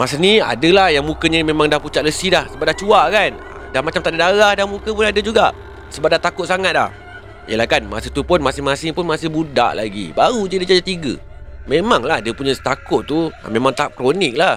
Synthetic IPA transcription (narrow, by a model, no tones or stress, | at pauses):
masənia̰dəlahjaŋmukəɲəmemãŋdahput͡ʃaʔləsidahsəbap̚daht͡ʃuaʔkan | damat͡ʃamt̪aʔdadaɾahdamukəpʊnadəd͡ʒuɡa̰ʔ | səbap̚daht̪akʊt̪̚saŋat̪̚la̰h | ijəlahkanma̰sət̪upʊnmasɪhmasɪpʊnmasɪhbuda̰ʔlaɡḭbaɾud͡ʒədid͡ʒad͡ʒat̪iɡə̰ | memaŋlahdiəpuɲəst̪akʊʔ̪̚t̪ṵmemãŋt̪aap̚kɾonɪk̚lah